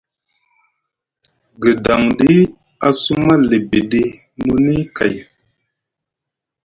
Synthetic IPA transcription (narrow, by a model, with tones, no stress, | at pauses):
ɡə˨da˨ŋdi˦ | a˨su˦ma˦le˨be˨ɗe˦ | nu˦ni˦ka̰˨j